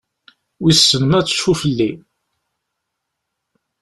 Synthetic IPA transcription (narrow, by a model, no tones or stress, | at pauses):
wisːənəmæt͡sːʃufəlːi